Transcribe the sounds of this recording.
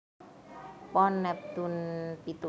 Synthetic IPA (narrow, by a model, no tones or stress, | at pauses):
pɔnːɛp̚t̪unpit̪u